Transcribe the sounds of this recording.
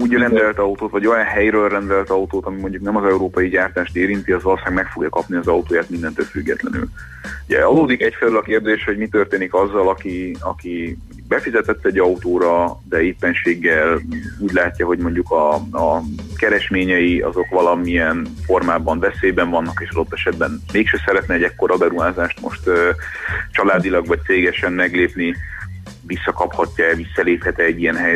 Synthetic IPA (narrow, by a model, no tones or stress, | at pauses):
uːɟrɛnd̪ɛlt̪ɒut̪oːt̪vɒɟo̞jɒnɦɛjɾøːlrɛnd̪ɛlt̪ɒut̪oːt̪ɒmimo̞ɲɟuknɛmɒzɛuɾoːpɒjiɟaːrt̪aːʃt̪eːɾint̪iɒzolsaːɡmɛkfo̞ɡjɒkɒpniɒzɒut̪oːjaːt̪mind̪ɛnt̪øːlfyɡːɛt̪lɛ̰ny̰l | uɟɛ̰ɒd̪oːd̪ikɛcfɛlølɒkeːrd̪eːʃho̞ɟmit̪ørt̪eːnikɒzːɒlɒkiɒ̰ki | bɛfizɛt̪ɛt̪ːɛɟːɒut̪oːɾɒd̪ɛeːpːɛnʃeːɡːɛluːɟlaːcːɒɦo̞ɟmo̞ɲɟukɒː | kɛɾɛʃmeːɲɛjiɒ̰zo̞kʋɒlɒmijɛnfo̞rmaːbɒɱvɛseːbɛɱvɒnːɒkeːʃɒd̪o̞t̪ːɛʃɛd̪bɛnmeːkʃøsɛɾɛt̪nɛɛɟɛkːo̞ɾʔɒbɛɾuɦaːzaːʃt̪mo̰ʃt̪ø | t͡ʃɒlaːd̪ilɒɡʋɒc̚t̪seːɡɛʃɛmmɛɡleːpni | visːɒkɒphɒcːɒɛvisːɒleːphɛt̪ɛːɟːijɛnɦɛj